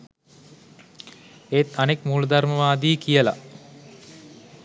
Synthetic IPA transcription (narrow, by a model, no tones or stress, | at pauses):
eːt̪anekmuːlɐd̪arməʋaːd̪iːkijəla̰